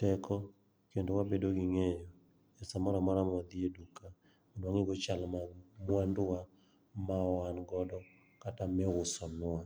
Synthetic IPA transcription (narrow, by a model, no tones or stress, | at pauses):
tɛkɔ | kendowabedoɡɪŋejɔ | asamɔɾamɔɾamad̪ɪeduka | mɔdwaŋɪɡot͡ʃalmamwandʊwa | maɔwanɡɔdɔ | katamɛʊsɔmɪwa